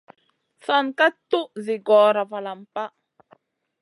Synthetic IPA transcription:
sa˨nka˦t̪u˦ʔzi˨ɡɔ˨ɾa˨va˨la˨mpa˦

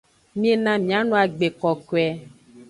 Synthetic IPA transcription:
mĩ˦e˦nã˨mĩ˨a˦nũ˦a˨ɡ͡be˨kɔ˨ko˨ɛ˨˦

